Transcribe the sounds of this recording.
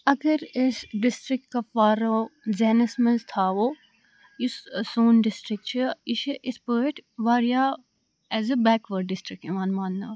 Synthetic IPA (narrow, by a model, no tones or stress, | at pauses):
ɐɡəɾɪsɖɪsʈɾɪk̚ʈ̚kafaːɾoːzɛːnəsməlzt̪ʰaːʋoː | jissoːnɖɪsʈɾɪk̚ʈt͡ʃʰiɪʃʔɪspəːʈʰʋaːɾija | ɛːzəbɛːkʋəɾɖːɪsʈɾɪk̚ʈɪmãːnmaːnːɐ